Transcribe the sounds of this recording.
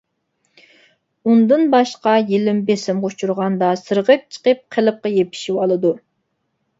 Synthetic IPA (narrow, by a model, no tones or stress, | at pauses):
und̪ɨnbɑʃqɑjilɪmbesɪmʁot͡ʃʰuɾʁɑnd̪ɑsɨɾʁəp̚t͡ʃʰə̥qəp̚qʰəlˠɨp̚qɑjepʰi̥ʃiwɑlˠɨd̪u